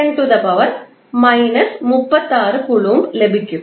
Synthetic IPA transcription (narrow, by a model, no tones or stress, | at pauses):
ɐɳʈuðɐpɐʋɐɾ | mɐɪnɐsmʊpːɐt̪ːaːɾɯkʊɭuːmblɛbɪkʲːɯ